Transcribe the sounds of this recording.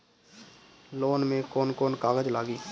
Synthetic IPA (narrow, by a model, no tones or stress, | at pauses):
loːnmẽkoːnkoːnkaːɡəd͡ʒlaːɡiː